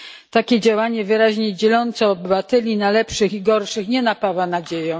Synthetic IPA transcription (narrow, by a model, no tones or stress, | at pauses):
t̪akʲɛd͡ʑawaɲɛvɘɾaʑɲɛd͡ʑɛlɔnt̪sɔːbɘvat̪ɛlʲinalɛpʂɘxiɡɔɾʂɘxɲɛnapawanad͡ʑejɛ̃